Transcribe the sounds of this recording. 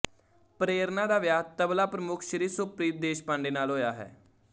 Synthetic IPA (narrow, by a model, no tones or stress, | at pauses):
pɾeːɾnaːdaːʋjaːt̪əblaːpɾəmʊkʰʃəɾiːsʊpɾiːt̪̚d̪eːʃpãːɳɖeːnaːlɦoːjaːɦɛ̰ː